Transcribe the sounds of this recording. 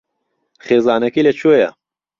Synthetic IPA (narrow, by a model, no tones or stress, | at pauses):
χeːzɑːnɐkilet͡ɕoja̰